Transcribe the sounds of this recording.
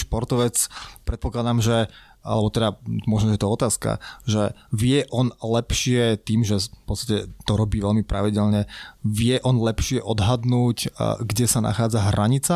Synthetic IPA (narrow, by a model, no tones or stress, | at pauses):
ʃpɔɾt̪ɔʋɛt͡spɾɛt̪̚pɔklˠad̪aːmʒɛ | a̰lɛbɔt̪ɛd̪amɔʒnɔʒɛjɛt̪ɔɔt̪aːska̰ʒɛʋɪɛʔɔnlɛpʃɪɛt̪iːmʒɛfpɔt͡st̪acɛt̪ɔɾɔbiːʋɛlmipɾaʋiɟɛlɲɛʋɪɛʔɔnlɛpʃɪɛʔɔd̪ɦad̪nuːcɡɟɛsana̰xaːd͡zaɦɾaɲit͡sa